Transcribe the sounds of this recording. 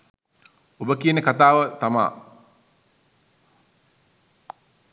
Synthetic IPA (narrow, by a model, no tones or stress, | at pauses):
obəkijənəkat̪aːʋət̪ama̰ː